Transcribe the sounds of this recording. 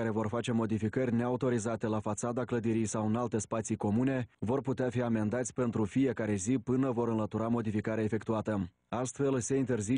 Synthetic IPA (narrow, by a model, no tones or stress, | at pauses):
aɾe̞vo̞rfat͡ʃe̞mo̞d̪ifikərʲne̞aut̪o̞ɾizat̪e̞lafat̪sad̪akləd̪iɾijsawɨnalt̪e̞spat̪siko̞mune̞vo̞rput̪eafiame̞nd̪at̪sʲpe̞nt̪ɾufije̞kaɾe̞zipɨnəvo̞ɾɨnlət̪uɾamo̞d̪ifikaɾeeaefe̞kt̪uat̪ə | ast̪fe̞lse̞int̪e̞rzi